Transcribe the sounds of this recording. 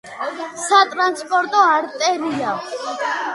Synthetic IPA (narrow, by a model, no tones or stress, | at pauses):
sat̪ʼɾanspʼɔɾt̪ʼɔaɾt̪ʼɛɾia